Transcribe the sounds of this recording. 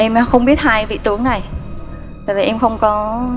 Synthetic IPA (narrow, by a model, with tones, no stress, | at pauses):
ʔɛ˧m˨˧xə˧wŋ͡mɓi˦˥ət̚haː˧jvḭ˧˨t̪ɨ˨˦əŋna˨˩j | vo˨˩vi˨˩ʔɛ˧mxə˧wŋ͡mkɔ˨˦